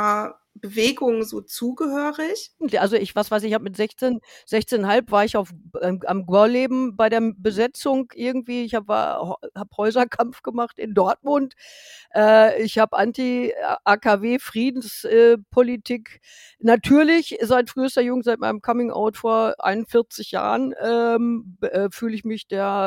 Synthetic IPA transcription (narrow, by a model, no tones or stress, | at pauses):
b̥əveːɡʊŋzoːt͡suːɡəhøːʁɪçʔalzoɪçv̥asv̥aɪsɪçhaːbəmɪtz̥ɛçt͡seːnz̥ɛçt͡seːnnhalpv̥aːɐɪçaʊfmʔa̰mɡwaleːbm̩baɪɾeːɐbəzɛt͡sʊŋʔɪɐɡŋ̩tv̥iːɪçhaːbəva̰ːɐhaːbhɔʏzɐkʰamfɡ̥əmaχtɪ̰ndɔɐt̚mʊnt | ʔɛːɪçhaːbəʔantiʔaːkʰaveːfʁ̥iːdn̩sʔɛːpʰolitʰiːk | natʰyːɐlɪçzaɪtfʁ̥yːstɐjʊŋzaɪt̚maɪnəmkʰamɪŋʔa̰ʊtfoːɐʔa̰ɪnʊnfɪɐt͡sɪçja̰ːʁənʔɛːmɛːfyːləɪçmɪçd̥eːɐ